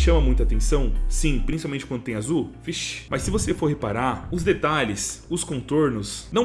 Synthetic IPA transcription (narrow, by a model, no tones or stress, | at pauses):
ʃɐ̃mɐmũj̃t̪ʊat̪ẽsɐ̃w̃sĩpɾĩsipawmẽnt͡ʃɪkwɐ̃d̪ʊt̪ẽj̃azufiʃmʔɐsːɪvosefoɾhepaɾaɾʊzd̪et̪aʎɪsʊskõnt̪oɾnʊsnɐ̃w̃